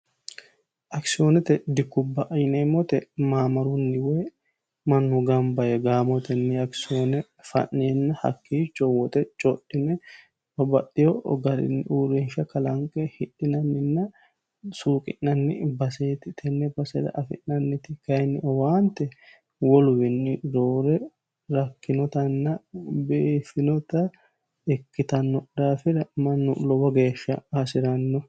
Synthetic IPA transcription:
ʔɐksɪoːnɛt̪ɛd̪ɪkːʊbːɐʔɐjnemːɔt̪ɛmaːmɐɾunːɪwe | mɐnːuɡɐmbɐʔɛɡaːmɔt̪ɛnːɪɐksɪoːnɛ | fɐ̰nːeːnːɐhɐ̰kːiːt͡ʃɔwɔt̪ɛt͡ʃʼɔᶑɪnɛ | ɔbɐɗɪjɔɡɐɾɪ̰nːɪʔuːɾinʃɐkɐlɐŋkʼɛhɪᶑɪnɐnːɪnːɐ | suːkʼɪ̰ʔːɐnːɪbɐseːt̪ɪt̪ʰɛnːɛbɐsɛd̪ɐ̰ʔɐfɪ̰ʔːɐnːɪt̪ɪkɐjnːɪʔɔwaːnt̪ːɛ | wɔlʊwɪnːɪɾoːɾɛ | ɾɐkːɪnɔt̪ɐnːɐbeːfɪnɔt̪ɐ | ɛkːɪt̪ɐnːɔd̪aːfɪɾɐmɐnːʊlɔbɐɡe̞ːʃːɐ̰ɐsɪɾɐnːɔ

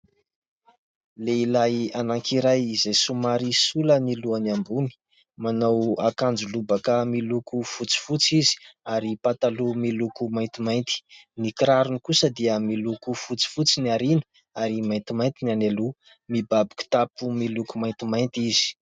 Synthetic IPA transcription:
leilajanaŋkiɾajizejsumaɾisuləniluaniambuni̥ | manawakand͡ʒulubakəmilukufut͡si̥fut͡sizi̥aɾipat̪alumilukumajnt̪imajnt̪i̥nikiɾaɾunikusəd̪iəmilukufut͡si̥fut͡siniaɾinə̥ | aɾimajnt̪imajnt̪inanelu | mibabiku̥t̪apumilukumajnt̪imajnt̪iz̥i̥

